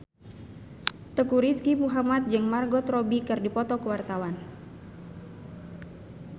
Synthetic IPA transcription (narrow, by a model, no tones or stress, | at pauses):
t̪əkuɾiskipuɦamat̪̚d͡ʒɨŋmarɡɔt̪rɔbikɨrdipɔt̪ɔkəwart̪awan